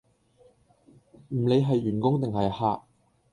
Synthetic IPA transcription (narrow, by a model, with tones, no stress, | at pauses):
m̩˨˩le˨˧jɦɐ˨jːyː˨˩nkʊ˥ŋt̪ɪ˨ŋhɐ˨jhaː˧ʔ̚